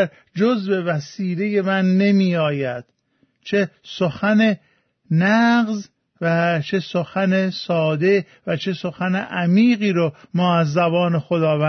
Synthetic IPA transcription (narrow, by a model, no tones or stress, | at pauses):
ɾ | d͡ʒozbe̞væsiːle̞je̞mænːe̞miːɒːjæd̪̥ | t͡ʃʰesoxæne | næɢz | væt͡ʃʰe̞soxænesɒːd̪e̞ | væt͡ʃʰe̞soxæneʔæmiːɣiːɾomɒːæzːæbɒːne̞xod̪ɒːvæ